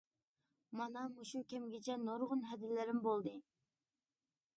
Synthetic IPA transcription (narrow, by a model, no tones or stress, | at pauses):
mɑnɑmuʃukʲɛmɡʲɪt͡ʃʰɛnoɾʁʊnɦɛd̪ɪlɪɾɪmbolˠd̪ɨ